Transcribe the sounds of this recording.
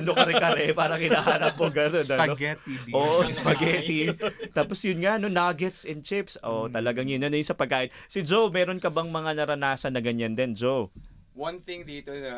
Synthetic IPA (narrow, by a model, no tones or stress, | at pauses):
ɐnokɐɾɛkɐɾɛpaːɾɐŋkɪnaːhaːnɐp̚ːoɡɐnonɐnɐo̞ɡɛtiʔoːʔosɐpɐɡɛt̪it̪aːposjʊnŋaʔno̞naːɡɛt̪sɪnt͡ʃɪpsʔoʔt̪ɐlɐɡaŋjʊnɐnɐjʊnsɐpɐɡ̚kːaːʔɪnsɪd͡ʒowmɛːɾo̞nkɐbɐŋmɐŋanɐɾɐnaːsɐnːɐɡɐɲɐnd̪ɛnd͡ʒow | wɐnθɪŋd̪iːt̪oʃɐ